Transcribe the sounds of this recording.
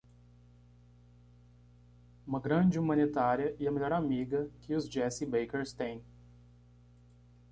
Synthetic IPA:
ũmɐɡɾɐ̃d͡ʒɪumɐ̃nit̪aɾiɐʔiɐmeʎɔɾamiɡɐkʰɪʊzd͡ʒɛsibejkeɾst̪ẽj̃

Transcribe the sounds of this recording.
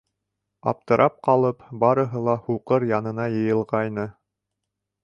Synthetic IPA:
ɑ̰p̚t̪ɤ̆ɾʔɑp̚qɑlˠɤpbɑɾɤ̆ɦɤlˠɑhuqɤɾjɑnɤ̆nɑjɤ̆jɤ̆lˠʁɑjnɤ

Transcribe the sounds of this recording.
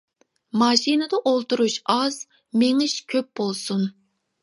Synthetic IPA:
mɑːʃinɨd̪əʔolˠt̪uɾuʃɑz | meŋɪʃkʲʰøp̚b̥olˠsun

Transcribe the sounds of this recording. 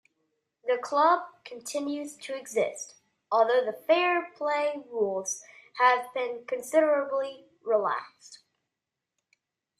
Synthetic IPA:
ðɨkʰl̥ʌb̚kʰn̩tʰɪ̃njʉz̥tʰɨːɡzɪ̰st | ɔlˠðoʊðəfɛɹpʰl̥eɪɹulˠz̥həvbɪ̃nkʰɨ̃nsɪɾə˞əbli | ɹilæ̰kst

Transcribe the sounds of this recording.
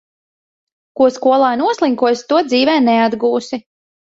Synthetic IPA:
kuɔskuɔlˠaːnuɔslˠiŋkuɔst̪uɔd̪ziːvɛːnɛad̪ɡuːsi

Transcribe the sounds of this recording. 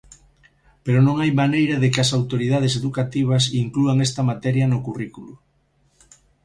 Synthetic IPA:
peɾonõŋajmanejɾɐðekɪɐsawt̪oɾiðað̞eseðukat̪iβ̞ɐs̬iŋkluaŋest̪ɐmat̪ɛɾjɐnokurikulu

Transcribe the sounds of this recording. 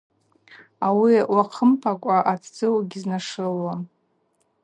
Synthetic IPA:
awiwaqʰəmpʰakʷʼaʔat͡sʰd͡zɨwɡʲiznaʂɨlwam

